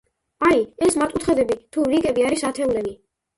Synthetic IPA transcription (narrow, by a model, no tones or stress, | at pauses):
aiɛsmaɾt̪ʼut̪χɛd̪ɛbit̪ʰuɾiɡʼɛbiaɾisat̪ʰɛulɛbi